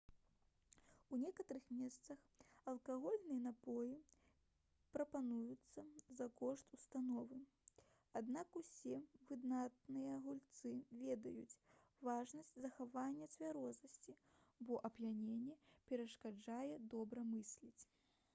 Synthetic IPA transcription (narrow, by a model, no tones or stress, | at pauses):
unʲɛkɐt̪ɐɾɨxmʲɛst̪sɐx | ɐlˠkaɣɔlʲnɨjɛnapɔji | pɾɐpanujut̪sːɐzɐkɔʂt̪ust̪anɔvɨ | ad̪nakusʲɛvɨd̪nat̪nɨjɐɣulʲt̪sɨvʲɛd̪ɐjut͡sʲ | vaʐnɐsʲt͡sʲzɐxavanʲːɐt͡sʲvʲaɾɔznɐsʲt͡sʲi | bɔʔɐbjʲanʲenʲːɛpʲɛɾɐʂkad͡ʐajɛd̪ɔbɾɐmɨsʲlʲit͡sʲ